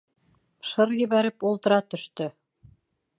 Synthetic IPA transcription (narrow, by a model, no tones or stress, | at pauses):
ʃɤɾjɘ̆βæɾɘpulˠt̪ɤ̆ɾɑt̪ɵ̆ʃt̪ɵ